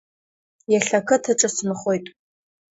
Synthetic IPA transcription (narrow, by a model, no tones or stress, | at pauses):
jaɬɐkʰɨtʰɨʈ͡ʂʼɨsmɨχʷojtʼ